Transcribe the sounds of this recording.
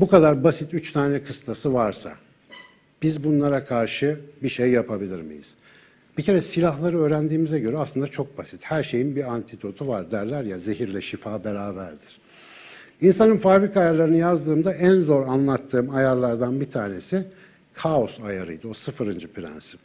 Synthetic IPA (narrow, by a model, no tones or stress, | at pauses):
bukad̪aɾbasit̪yt͡ʃt̪ʰaːnɛkʰɯst̪ʰasɯvaɾsa̰ | b̥izbunlˠaɾakʰaɾʃɯbiʃejːapʰabilʲiɾmḭjḭz̥ | b̥icʰe̞ɾɛsilʲaɦlˠaɾɯøːɾænd̪iːmizɛɟø̞ɾɛasˠɯnd̪at͡ʃʰo̞k̚basit̪hæɾʃe̞jinbiant̪ʰid̪o̞t̪ʰuvaɾd̪æɾlʲæɾjaze̞ɦiɾlʲɛʃifaːbeɾaːbæɾd̪iɾ̥ | insanɯnfaːbɾikajaɾlˠaɾɯnɯjazd̪ɯːmd̪aænzo̞ɾanlˠat̪ʰːɯːmajaɾlˠaɾd̪anbit̪ʰaːne̞si | kʰao̞sajaɾɯ̰jd̪ɯo̞sɯfɯɾɯnd͡ʒɯpʰɾæ̰nsi̥